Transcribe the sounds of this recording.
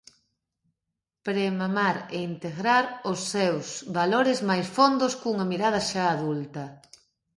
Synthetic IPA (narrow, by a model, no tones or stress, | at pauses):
pɾemamaɾeint̪eɣɾaɾʊsːɛwsβaloɾɪzmajsfond̪ʊskuŋɐmiɾað̞ɐʃaːðult̪ɐ